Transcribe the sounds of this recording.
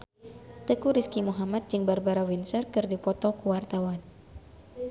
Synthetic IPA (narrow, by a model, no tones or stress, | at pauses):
t̪əkuɾiskimuɦamat̪̚d͡ʒɨŋbarbaɾawinsərkɨrdipɔt̪ɔkuwart̪awan